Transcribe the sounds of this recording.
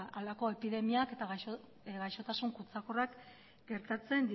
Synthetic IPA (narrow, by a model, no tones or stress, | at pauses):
alako̞e̞piðe̞miake̞t̪aɣ | ɡajʃo̞t̪asuŋkut͡sakorak | ɡ̥e̞ɾt̪at͡se̞nd̪i